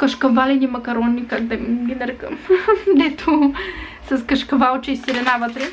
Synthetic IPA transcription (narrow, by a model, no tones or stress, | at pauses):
kəʃkɐvalɛnimɐkɐɾɔnːikak̚d̪ɛmɡʲinɐɾɛkəmd̪ɛt̪ʰo | sɐskɐʃkɐvalˠt͡ʃɐisiɾɛnavət̪ɾɛ